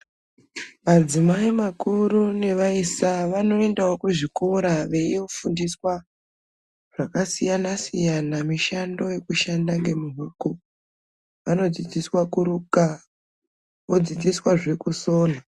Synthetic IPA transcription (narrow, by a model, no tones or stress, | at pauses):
mad͡zimaimakurune̞ʋaisaʋano̞e̞ndaokuʐikuɾaʋe̞jiofundiswa | ʐ̥akasijanasijanamiʃando̞je̞kuʃandaŋɡe̞muɦuko | ʋano̞d͡zid͡ziswakuɾuka | od͡zid͡ziswaʐe̞kuso̞ːna